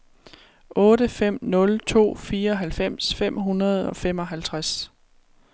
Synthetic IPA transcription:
ʔɔ̽ːɾəfem̰nɔ̽lt͡sʰo̝̰ːfiːɐɒ̽ɦælfem̰sfem̰ɦunɐð̞̩ˠɒ̽fem̰ɒ̽ɦælt͡sʰʁas

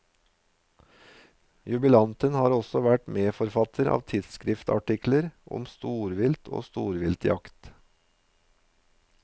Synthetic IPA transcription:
jʉbɪlɑnt̪ənhɑːɾɔsɔʋæʈmeːfɔɾfɑt̪ʰəɾɑ̰ːʋt̪ʰɪd̪skɾɪft̪ɑ̰ʈɪkləɾʔɔ̰mst̪uːɾʋɪlt̪ʰo̰ːst̪ṵːɾʋɪlt̪jɑkt̪

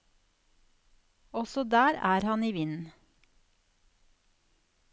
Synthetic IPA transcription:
ɔsɔd̪æːɾæ̰ːɾhɑniːʋɪnn̩

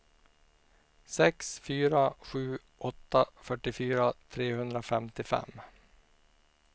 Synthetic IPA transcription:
sɛksfyːɾaɧʉ̟ː | ʔɔt̪ːafœʈːɪfyːɾat̪ʰɾeːhɵnd̪ɾafɛmt̪ɪfɛ̰mː

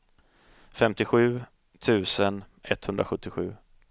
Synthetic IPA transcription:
fɛmt̪ɪɧʉ̟ː | t̪ʰʉ̟ːsən | ʔɛt̪ːhɵnd̪ɾaɧɵt̪ːɪɧʉ̟ː

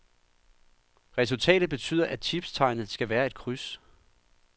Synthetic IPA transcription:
ʁɛs̬ult͡sʰɛ̰ːɾ̥ð̩ˠb̥e̝t͡sʰy̰ːð̰ˠɐʔæt͡sʰib̥st͡sʰɑ̈ɪnð̩ˠsɡ̥æʋæːɐe̝d̥̚kʰʁys

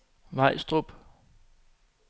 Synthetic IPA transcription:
ʋɑ̈ɪ̰sd̥ʁob̥

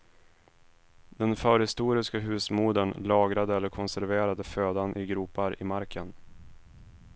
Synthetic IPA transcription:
d̪ɛnfœːɾhɪst̪uːɾɪskaɦʉ̟ːsmuːd̪ənlɑːɡɾad̪əɛlːəɾkʰɔnsæɾveːɾad̪əføːd̪anʔɪɡɾuːpaɾɪ̰maɾkʰən

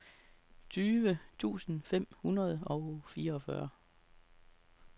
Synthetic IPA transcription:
t͡sʰyːʋət͡sʰṵːsn̩fem̰hunɐð̞̩ˠɒ̽ʊfiːɐɒ̽fɶ̰ɐ

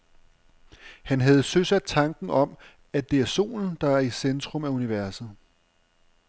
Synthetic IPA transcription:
hænɦɛð̞̩ˠsøsæd̥t͡sʰɑ̈ŋɡ̥n̩ɒ̽m | æd̥e̝æɐso̝̰ːln̩d̥ɑ̈æɐisend̥ʁɔ̽mæuniʋæɐsð̩ˠ

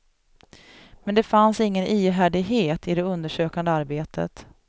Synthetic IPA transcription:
mɛnd̪ɛfansɪŋːənʔiːɦæːɖɪɡɦeːt̪ɪd̪ɛɵnd̪əʂøːkand̪əaɾbeːt̪ʰə̰t̪

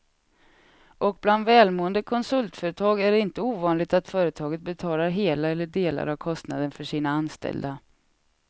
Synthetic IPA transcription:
ʔɔk̚bland̪vɛːlmoːənd̪əkʰɔnsɵlt̪fœːɾət̪ʰɑːɡæɖɛɪnt̪əuːvɑːnlɪɡ̚t̪at̪fœːɾət̪ʰɑːɡət̪̚bɛt̪ʰɑːlaɾɦeːlaɛlːəɖeːla̰ɾavkʰɔst̪na̰d̪ənfœʂiːnaanst̪ɛ̰ld̪a

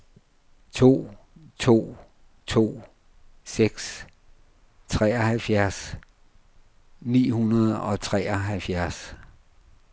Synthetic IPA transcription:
t͡sʰo̝̰ː | t͡sʰo̝̰ː | t͡sʰo̝̰ː | seɡ̥s | t͡sʰʁɛːɒhælfjæɐs | nḭːhunɐð̞ˠɒ̽t͡sʰʁɛːɒɦælfjæɐs

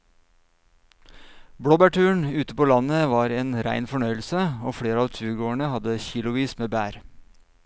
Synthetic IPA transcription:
bɽoːbæʈʉːəɳʉːt̪əpoːlɑnəʋɑːɾeːnɾæ̰ɪnfɔɳœʏl̩səoːfɽeːɾəɑːʋt̪ʰʉːɡoːɳəhɑd̪əçiːlʊʋiːsmeːbæːɾ

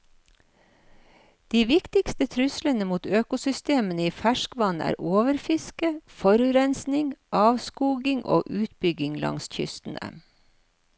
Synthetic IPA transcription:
d̪̥iːʋɪkt̪ɪkst̪ət̪ʰɾʉslənəmuːt̪øːkʊsʏst̪eːmənəiːfæʃkʋɑnæ̰ːɾoːʋəɾfɪskəfɔɾʉɾɛnsnɪŋʔɑːʋskuːɡɪŋʔo̰ːʔʉːt̪bʏɡɪŋlɑ̰ŋsçʏ̰st̪n̩ə̰m

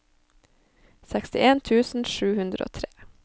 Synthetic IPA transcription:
sækst̪ɪʔeːnt̪ʰʉːsn̩ʃʉːhʉnd̪ɾə̰ʔo̰ːt̪ʰɾeː

